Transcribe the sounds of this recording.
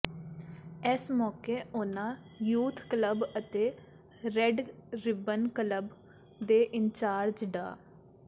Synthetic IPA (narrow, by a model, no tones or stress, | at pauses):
ɛsmɔːkeːoːnãː | juːt̪ʰkləbət̪eː | ɾɛɖɾɪbənkələb | d̪eːʔɪnt͡ʃaːɾd͡ʒɖa̰ː